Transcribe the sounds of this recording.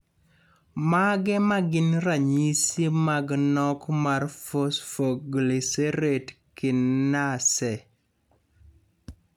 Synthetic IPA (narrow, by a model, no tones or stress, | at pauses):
maɡɛmaɡɪnɾaɲisimaɡnɔkmarfosfoɡliseɾet | kɪnːasɛ